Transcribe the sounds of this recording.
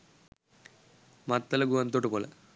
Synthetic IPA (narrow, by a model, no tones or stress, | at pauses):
mɐt̪ːɐlɐɡuʋɐnt̪ːoːʈːɨpoːlḛ